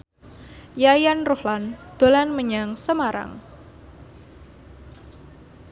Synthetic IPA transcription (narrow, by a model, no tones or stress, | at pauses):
jajanrohland̪̥o̤lanməɲaŋsəmaɾa̰ŋ